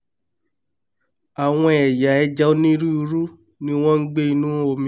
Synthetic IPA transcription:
a˨w̃ɔ̃˧ɛ˨ja˨ɛ˧d͡ʒa˦o˦nĩ˦ɾi˦u˧ɾu˦ | nĩ˦w̃ɔ̃˦ŋ̩˦ɡ͡be˦i˧nũ˦o˨mĩ˨

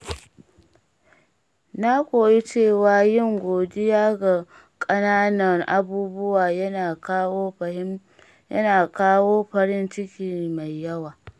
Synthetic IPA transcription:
na˦kʷʼoː˨ji˦t͡ʃeː˦˨wa˦jɪ˦˨ŋɡʷoː˨dɪ˦jaː˦ɡa˨ | kʼɐ˦naː˦nɐ˨ŋʔa˦buː˦bʊ˦waː˨˦˨ | ɐ˦naː˨kaː˦woː˦ɸɐ˦ɾɪ˦nt͡ʃɪ˦kʲiː˨ma˨jːɐ˦waː˨

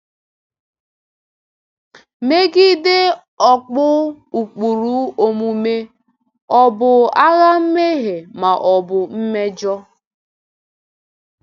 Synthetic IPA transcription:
me˦ɡi˦dɪ˦ | ɔ˨k͡pʊ˦ | u˨k͡pu˨ɾu˦o˨mu˨me˦ | ɔ˨bʊ˨a˦ɣa˦m̩˦me˦ɦe˨ma˨ʔɔ˨bʊ˨m̩˦me˦d͡ʒɔ˦

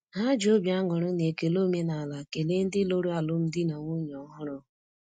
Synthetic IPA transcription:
ɦa˦d͡ʒo˦bja˦ŋʊ˨ɾʊ˦ne˨ke˨lo˦me˦na˨a˨la˨ke˨le˦n̩˦dɪ˦lo˦ɾu˦a˨lʊ˦m̩˦dɪ˦na˨ŋʷu˦ɲɔ˨˦ɦʊ˦ɾʊ˦

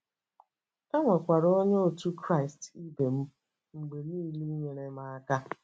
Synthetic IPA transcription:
a˦ŋʷa˨kʷa˨ɾo˦ɲe˦o˨tu˦kɾa˦ɪ˨sti˦be˨m̩˦ | ŋ͡m̩˨ɡ͡be˨niː˦˨ɾi˦i˦ɲʷe˨ɾe˦ma˦a˦ka˦

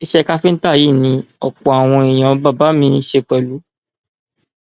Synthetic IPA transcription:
i˧ʃɛ˦˧ka˦fi˦n̩˦ta˦˨ji˨˦˨nĩ˧ɔ˨k͡pɔ˨a˨w̃ɔ̃˧i˨j̃ã˨˦ba˦˨ba˨˦mĩ˧˦˧ʃe˧k͡pɛ˨lu˨˦

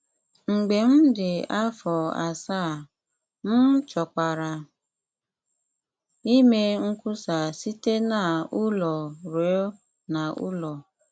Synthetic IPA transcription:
ŋ͡m̩˨ɡ͡be˨m̩˦dɪ˨a˦fɔ˨a˨sa˦˨ | n̩˦t͡ʃɔ˨ka˨ɾa˨ | i˦me˦ŋ̩˦ku˦sa˨si˦te˦na˨ʊ˦lɔ˨ɾo˨˦ | na˨ʔʊ̰˦lɔ˨

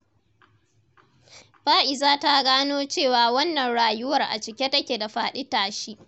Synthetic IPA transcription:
ɸaː˦ʔɪ˨zaː˦ta˦ɡaː˦noː˦t͡ʃeː˦˨waː˨wɐ˦nːɐ˨nɽaː˨jʊ˦wɐ˨rʔa̰˨t͡ʃɪ˨kʲe˦tɐ˦kʲeː˨da˨ɸaː˨ɗɪ˦taː˨ʃi˦ʔ

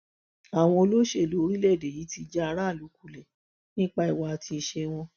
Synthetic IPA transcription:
a˨w̃ɔ̃˧o˧lo˦ʃe˦˨lo˨˦o˧ɾi˦lɛ˦˨de˨ji˨˦ti˧d͡ʒa˦a˧ɾa˦˨lu˨˦kʰu˦˨lɛ˨ | nĩ˦k͡pa˦i˨wa˨˧a˨tʰi˧ʃe˧w̃ɔ̃˧

